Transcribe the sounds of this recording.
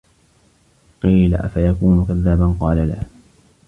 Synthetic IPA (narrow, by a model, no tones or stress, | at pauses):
qiːla̰ʔa̰fajakuːnʊkaðːaːbanqɑːlala̰h